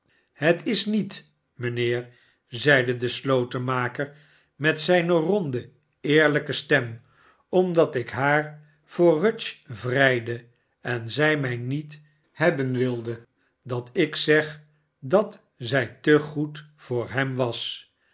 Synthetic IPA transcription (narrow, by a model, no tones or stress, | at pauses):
hətɪsnit | mənɪːɹ | zɛjdədəslowtəmaːkəɹ | mɛtsɛjnərɔndə | ɪːɹləkəstɛm | ɔmdɑtɪkɦaːɹ | v̥ʊːrøt͡ʃvrɛjdə | ɛnzɛjmɛjnit | hɛbənʋɪlˠdə | dɑtɪksɛχ | dɑt | zɛjtəχutfʊːɹɦɛmʋɑs